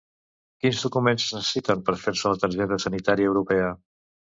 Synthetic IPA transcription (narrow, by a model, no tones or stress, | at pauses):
kinzðukumenzəznsəəsit̪əmpəɾfeɾsələt̪əɾʒɛt̪əsənit̪aɾiəːwɾupɛə